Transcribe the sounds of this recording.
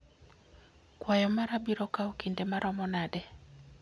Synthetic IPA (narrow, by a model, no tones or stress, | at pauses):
kwajɔmaɾabiɾɔkaɔkindemaɾɔmɔnadɛ